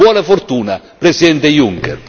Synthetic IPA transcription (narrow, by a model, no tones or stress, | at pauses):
ɔːnafort̪uːna | pɾɛsid̪ɛnt̪ejuŋkɛ̰r